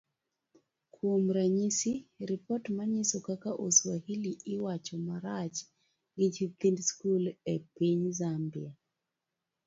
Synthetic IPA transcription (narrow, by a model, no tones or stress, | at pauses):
kʰomɾaɲisiɾipɔtmaɲisɔkakaʔoswahiliɪwat͡ʃɔmaɾat͡ʃ | ɡɪt͡ʃit̪indskulɛpiɲzambia